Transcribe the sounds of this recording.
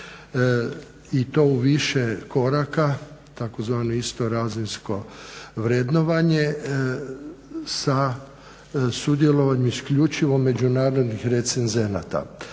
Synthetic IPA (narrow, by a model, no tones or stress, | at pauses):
it̪o̞uʋiʃeko̞ɾakat̪akozʋaːnoist̪o̞ɾazinsko̞ʋɾed̪no̞ʋaɲe̞ | sa | sud̪je̞lo̞ʋaɲemiskʎut͡ʃiʋo̞mːe̞d͡ʒunaːɾo̞d̪nixɾe̞t̪senze̞na̰t̪a̰